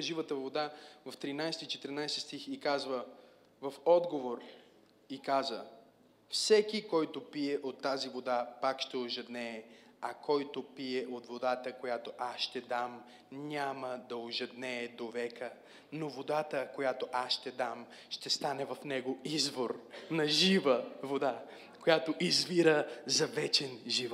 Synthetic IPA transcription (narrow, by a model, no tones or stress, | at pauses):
ʒivət̪əvod̪avɐft̪ɾinajst̪it͡ʃɛt̪ɛɾnajsɛst̪ixikazvə | vɐfɔd̪ɡovoɾ | ikazə | fsɛkikɔjt̪opiɛʔot̪ːazivod̪apakʃt̪ɛoʒɛd̪nɛːɐkʰɔjt̪opiɛʔot̪vod̪at̪əkojat̪oʔasʃt̪ɛd̪am | ɲʲaməd̪ɐoʒɛd̪nɛːd̪ovɛkə | novod̪at̪əkojat̪oʔasʃt̪ɛd̪am | ʃt̪ɛst̪anɛvɐfnɛɡoizvoɾnɐʒivəvod̪a | kojat̪oʔizviɾəzɐvɛt͡ʃɛnʒivɔt̪